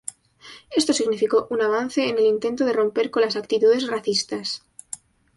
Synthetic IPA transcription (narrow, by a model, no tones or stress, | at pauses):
e̞st̪o̞siɣnifiko̞ʔunaβ̞an̟θe̞ːne̞lint̪e̞nt̪oð̞e̞rõ̞mpe̞ɾko̞nlasakt̪it̪uðe̞sraθist̪as